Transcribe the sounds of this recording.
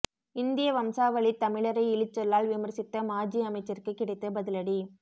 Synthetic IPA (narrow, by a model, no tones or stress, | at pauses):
ɪnd̪ɪjɐʋɐmsaːʋɐɭit̪ːɐmɪɭɐɾɐɪɪɭɪt͡ʃːɛlːaːlʋɪmɐɾsɪt̪ːɐmaːd͡ʒiɐmɐɪt͡ʃːɐrkɯkːɪɽɐɪt̪ːɐbɐðɪlɐɽi